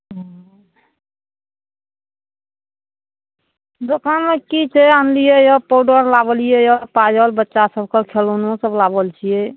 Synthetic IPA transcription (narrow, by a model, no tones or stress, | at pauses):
ɦ | d̪okanmekit͡ʃʰɛanlijɛjɔpɔɖəɾlabəlijɛjɔpad͡ʒəlbətːʃasəbʱkekʰelonõsəblabəlt͡ʃʰijɛ